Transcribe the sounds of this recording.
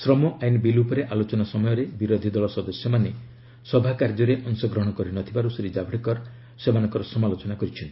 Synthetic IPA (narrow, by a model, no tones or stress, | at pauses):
sɾɔmɔʔajnbilupɔɾeʔalot͡ʃɔnasɔmɔjɔɾebiɾod̪ʱid̪ɔɭɔsɔd̪ɔsjɔmane | sɔbʱakaɾd͡ʒɔɾeʔɔŋsɔɡɾɔɦɽ̃kɔɾinɔt̪ʰibaɾuseɾid͡ʒabʱɽikɔɾ | semanɔŋkɔɾɔsɔmalot͡ʃɔnakɔɾit͡ʃʰɔnt̪